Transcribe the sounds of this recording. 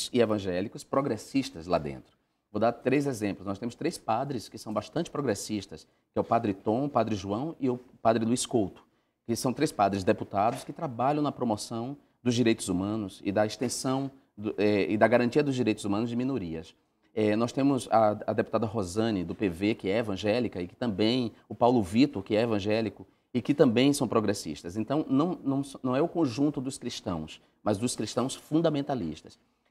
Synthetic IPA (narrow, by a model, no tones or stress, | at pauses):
sɪevɐ̃ʒɛlikʊspɾoɡɾesiʃt̪ɐzla̰d̪ḛ̃nt̪ɾʊ | vowd̪aɾt̪ɾejzezẽmplʊsnɔst̪ẽmʊst̪ɾejspad̪ɾɪskɪsɐ̃w̃baʃt̪ɐ̃nt͡ʃɪ̥pɾoɡɾesiʃt̪ɐs | kɪɛʊpad̪ɾɪt̪õʊpad̪ɾɪʒuɐ̃w̃ɪʊpad̪ɾɪluiskowt̪ʊ̥ | kɪsɐ̃w̃t̪ɾejspad̪ɾɪzd̪eput̪ad̪ʊskɪt̪ɾabaʎɐ̃w̃nɐpɾomosɐ̃w̃ | d̪ʊzd͡ʒiɾejt̪ʊzumɐ̃nʊzɪ̰d̪ɐest̪ẽsɐ̃w̃ | d̪ʊɛɪd̪ɐɡaɾɐ̃nt͡ʃiɐd̪ʊzd͡ʒiɾejt̪ʊzumɐ̃nʊzd͡ʒɪmĩnoɾiɐs | ɛnɔst̪ẽmʊzɐɐd̪epu̥t̪ad̪ɐɦozɐ̃nɪd̪ʊpevekɪɛevɐ̃ʒɛlikɐɪkɪ̥t̪ɐ̃mbẽj̃ʊpawlʊvit̪oɾkɪɛevɐ̃ʒɛlikʊ | ɪkɪt̪ɐ̃mbẽj̃sɐ̃w̃pɾoɡɾesḭʃt̪ɐzẽnt̪ɐ̃w̃nɐ̃w̃nɐ̃w̃snɐ̃w̃ɛʊkõʒũnt̪ʊd̪ʊskɾiʃt̪ɐ̃w̃s | mɐzd̪ʊskɾiʃt̪ɐ̃w̃sfũnd̪ɐmẽnt̪alḭʃt̪ɐ̥s